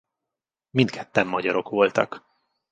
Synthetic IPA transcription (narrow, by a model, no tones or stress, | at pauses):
mint̪kʰɛt̪ːɛmːɒɟɒɾo̞kʋo̞lt̪ɒk